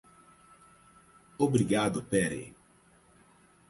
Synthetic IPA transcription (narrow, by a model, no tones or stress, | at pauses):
obɾiɡad̪ʊpɛɾḛ